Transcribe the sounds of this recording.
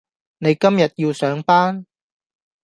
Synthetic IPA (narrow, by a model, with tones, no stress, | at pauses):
ne˨˧jkɐ˥mjɐ˨t̚jiː˧wsœː˨˥ŋpaː˥n